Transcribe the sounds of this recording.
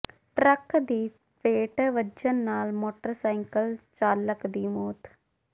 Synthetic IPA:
ʈɾəkd̪iː | pʰeːʈʋəd͡ʒənːaːlmoːʈəɾsaːɪŋkəlt͡ʃaːləkd̪iːmoːt̪

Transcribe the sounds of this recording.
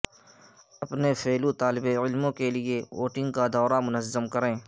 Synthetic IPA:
ɐpnefeːlut̪aːlɪbeɪlmõkelieo̰ːʈɪ̃ŋɡ̚kad̪ɔːɾamʊnəzːəmkɐɾẽː

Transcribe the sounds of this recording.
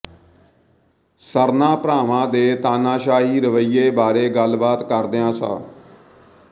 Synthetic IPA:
səɾnãːpɾaːʋãːd̪eːt̪aːnaːʃaːɦiːɾəʋəiːeːbaːɾeːɡəlbaːt̪kəɾd̪eãːsa̰ː

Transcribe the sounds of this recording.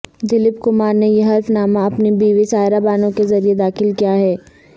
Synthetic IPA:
d̪ɪlɪpkʊmaːɾnejeɦɐɾfnaːmaɐpnibiːʋisaːɪɾabaːnõkezɐɾied̪aːxɪlkijaɦɛː

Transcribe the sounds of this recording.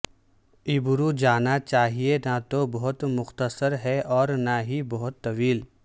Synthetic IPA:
ɪbʊɾud͡ʒaːnat͡ʃaːɦienat̪obɐɦʊt̪mʊxt̪əsəɾɦɛʔɔːɾnaɦibɐɦʊt̪ːɐʋiːl

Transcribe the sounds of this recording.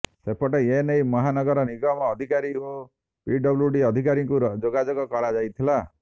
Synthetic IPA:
sepɔʈeenejmɔɦanɔɡɔɾɔniɡɔmɔːd̪ʱikaɾio | piɖɔbluɖiɔd̪ʱikaɾiŋkud͡ʒoɡad͡ʒɔɡɔkɔɭad͡ʒajt̪ʰila

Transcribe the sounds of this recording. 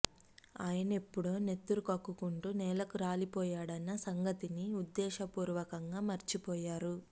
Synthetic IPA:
aːjɐne̞pːuɽoːne̞t̪ːuɾukɐkːukuɳʈunɛːlɐkuɾaːlipɔːjaːɽɐnːɐsɐŋɡɐt̪iniud̪ːɛːʃɐpuːɾuʋɐkɐŋɡaːmɐɾt͡ʃipɔːjaːɾu

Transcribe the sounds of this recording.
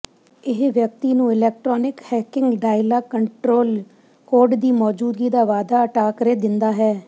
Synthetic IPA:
ɪɦʋjək̚t̪iːnũːɪlɛːk̚ʈɾɔːnɪkhɛːkɪŋɡɖaːɪlaːkəɳʈɾoːl | koːɾɖd̪iːmɔːd͡ʒuːd̪ɡiːd̪aːʋaːd̪aːəʈaːkɾeːd̪ɪnd̪aːɦɛː

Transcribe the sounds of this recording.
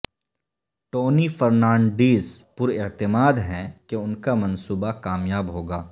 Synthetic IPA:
ʈoːnifɐɾnãːɳɖiːzpʊɾɪt̪ɪmaːd̪ɦɛ̃keʊnkamɐnsuːbakaːmjaːbɦoːɡaː

